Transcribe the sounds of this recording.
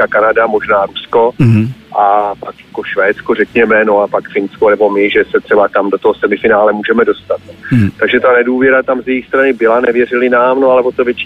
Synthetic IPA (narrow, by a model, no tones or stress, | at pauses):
akanadamo̞ʒnaːɾusko̞ʔapakjako̞ʃvɛːt̪t͡skorɛkɲɛmɛnoapakfɪnskonɛbo̞mɪʒɛsɛt̪r̥ɛbat̪amdo̞t̪oɦosɛmɪfɪnaːlɛmuːʒɛmɛdost̪at̪t̪aɡʒɛt̪anɛduːvjɛɾat̪amzjɛjixst̪ɾanɪbɪlanɛvjɛrɪlɪnaːmnoalɛvot̪omvjɛt͡ʃː